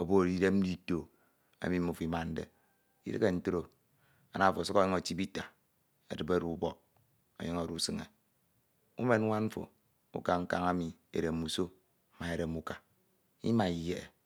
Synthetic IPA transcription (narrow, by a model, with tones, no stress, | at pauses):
o˨bo˦˨ɾi˦de˦m̩˦di˦to˨ | a̰˨mi˦mu˨fi˦ma˨n̩˦dḛ˨ | ḭ˦ɾɨ˦ke˨n̩˦to˦ɾo˦˨ | a̰˨na˦˨fo˨sɨ˦ko˦˨ɲi˦ŋo˨ti˦bi˦ta˨ | ḛ˨dɨ˨be˦ɾu˦bɔ˨k̚ | o̰˨ɲi˦ŋo˨ɾu˦sɨ˨ŋḛ˨ | ṵ˦me˨n˦ŋʷa˦nm̩˦fo̰˨ | ṵ˦ka˨ŋ̩˦ka̰˦ŋa˦mi˨ | ḛ˨ɾe˨m˨u˨so˦˨ | ma˨e˨ɾe˨mu˨ka˨ | ḭ˦ma˨i˨je˦e˨